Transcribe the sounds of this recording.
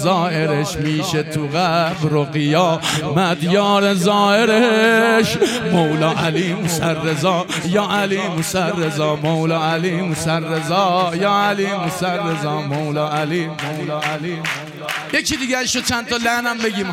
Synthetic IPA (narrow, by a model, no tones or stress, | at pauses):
zɒːʔe̞ɾeʃmiːʃe̞t̪ʰuɣæbɾoɣejɒːmæd̪jɒːɾezɒːheɾeʃmowlɒːʔæliːmosæɾːezɒː | jɒːʔæliːmosæɾːezɒːmowlɒːælimosæɾːezɒːjɒːælimosæɾːezɒːmowlɒːælimowlɒːʔæli | jecʰid̪iːɟæeʃɾot͡ʃʰænt̪ʰɒlænæmbe̞ɡiːm